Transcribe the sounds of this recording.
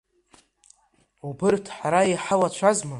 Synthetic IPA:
ubɨrtʰħaɾaiħalat͡ʃʷʰazma

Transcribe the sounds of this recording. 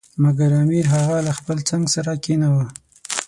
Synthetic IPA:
maɡaɾamiɾɦaɣalaxpəlt͡saŋɡsaɾakenawə

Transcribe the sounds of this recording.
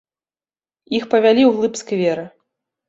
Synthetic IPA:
ixpɐvʲalʲiwɣlˠɨpskvʲɛɾɨ

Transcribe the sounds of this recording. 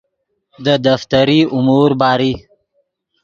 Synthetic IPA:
d̪əd̪aft̪aɾiʊmuɾbɑːɾi

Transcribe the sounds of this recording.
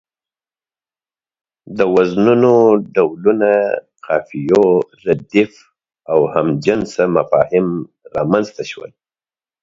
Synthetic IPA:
d̪əwaznunoɖawluna | qʰɑfijoɾad̪ɪf | awhamd͡ʒansamafɑhɪm | ɾɑmanzt̪aʃwə̰l

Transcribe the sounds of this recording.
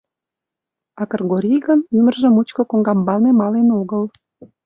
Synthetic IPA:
ɑkə̆rɣoɾijɣənymərʒə̆mut͡ɕkŏkoŋɡɑmbɑlnemɑlenoɣəl

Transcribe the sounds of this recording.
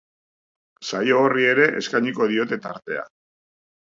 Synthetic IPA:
sajo̞ːrie̞ɾe̞ʔḛskajɲiko̞ðio̞t̪e̞t̪aɾt̪e̞a̰

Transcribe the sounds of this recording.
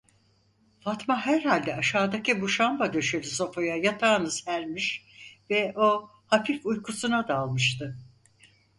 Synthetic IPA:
fat̪maɦæɾhalʲd̪ɛaʃaːd̪acʰibuʃambad̪ø̞ʃølʲyso̞fojajat̪ʰaːnɯz̥hæɾmiʃ | vɛʔo̞ | hafifujkʰusunad̪aːlˠmɯʃt̪ɯ

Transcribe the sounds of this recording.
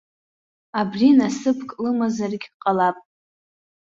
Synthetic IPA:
abrinasɨpʰkʼlɨmazarɡʲqʼalapʼ

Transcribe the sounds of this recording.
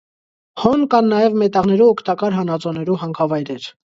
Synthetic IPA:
hɔnkɑnːɑjɛvmɛt̪ɑʁnɛɾuɔkʰt̪ɑkɑɾɦɑnɑt͡sɔnɛɾuɦɑŋkʰɑvɑjɾɛɾ

